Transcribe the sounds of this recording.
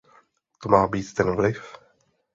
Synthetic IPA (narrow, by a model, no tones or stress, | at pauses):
t̪omaːbiːt̪t̪ɛnvlɪf